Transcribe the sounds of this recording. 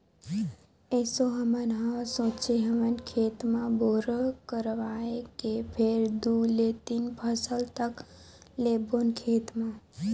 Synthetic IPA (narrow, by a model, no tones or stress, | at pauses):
esoɦəmənɦə̃sõːt͡ʃʰeɦəmənkʰeːt̪mãboɾəkəɾʋaekepʰeɾd̪ulet̪inpʰəsəlt̪əklebonkʰeːt̪mã